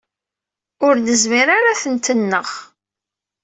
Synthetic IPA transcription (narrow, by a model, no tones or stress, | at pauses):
ʊɾnəzmiɾaɾaθənt̪ənːəʁ